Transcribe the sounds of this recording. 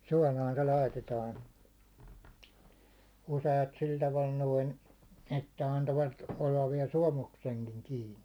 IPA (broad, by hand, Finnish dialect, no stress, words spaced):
suɒlɑːn se lɑitetɑːn useɑt sil tɑʋɑl noin etːæ ɑntoʋɑt olːɑʋ ʋiɛl suɒmukseŋkiŋ kiːni